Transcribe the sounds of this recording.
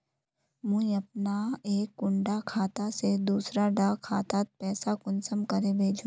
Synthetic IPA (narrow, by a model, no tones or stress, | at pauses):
mũiɐp̚naeːkːʊ̃ɳɖakʰaːt̪ased̪uːsɾaɖaːkʰaːt̪at̪̚pɛːsakʊnsəmkɐɾebʱeːd͡ʒũ